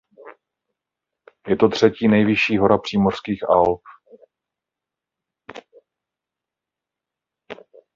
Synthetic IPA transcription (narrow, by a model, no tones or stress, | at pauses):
jɛt̪o̞t̪r̝̥ɛciːnɛjvɪʃiːɦo̞ɾapr̝̥iːmor̥skiːxʔalp